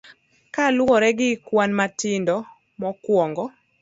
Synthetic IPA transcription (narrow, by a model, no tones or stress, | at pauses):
kalɔɾɛɡɪkwanmatɪndɔ | mɔkwɔŋɡɔ